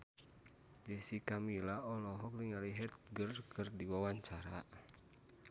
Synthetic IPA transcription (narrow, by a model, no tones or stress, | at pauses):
d͡ʒɛsikamilaʔɔlɔɦɔk̚liŋaliɦɛt̪̚ɡərkʰɨrdiwawaɲt͡ʃaɾa